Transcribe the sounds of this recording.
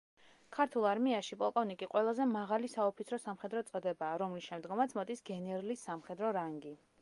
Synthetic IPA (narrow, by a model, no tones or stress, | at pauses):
kʰaɾt̪ʰulˠaɾmiaʃipʼɔlˠkʼɔvnikʼiqʼwɛlˠazɛmaʁalisaɔpʰit̪sʰɾɔsamχɛd̪ɾɔt̪sʼɔd̪ɛbaːɾɔmlisʃɛmd̪ɡɔmat̪sʰmɔd̪isɡɛnɛɾlisːamχɛd̪ɾɔɾaŋɡi